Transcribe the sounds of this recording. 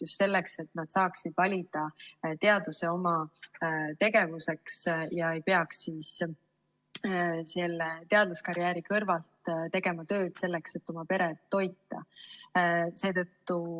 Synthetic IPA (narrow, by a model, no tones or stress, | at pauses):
just̪se̞lːe̞kse̞t̪nɑd̪̥sɑːksid̪̥vɑlʲid̪̥ɑt̪e̞ɑd̪use̞o̞mɑ | t̪e̞ɡe̞vuse̞ksjɑe̞jpe̞ɑksiːs | se̞lːet̪e̞ɑd̪̥luskɑɾjæːɾikɤrvɑlt̪t̪e̞ɡ̥e̞mɑt̪ø̞ːd̪̥se̞lːe̞kse̞t̪ːˑo̞mɑpe̞ɾe̞t̪ːo̞jt̪ːˑɑ̰ | se̞ːt̪ɤ̞t̪ːu